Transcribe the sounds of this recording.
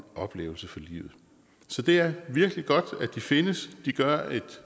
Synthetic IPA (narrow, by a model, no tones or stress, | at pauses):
ɒ̽b̥le̝̰ːʊl̩səfɒ̽lḭːʊð̩ˠ | sɒ̽d̥e̝æɐʋiɐɡ̥liɡ̥ɒ̽d̥æd̥ife̝nəsd̥iɡ̥ɶɐe̝d̥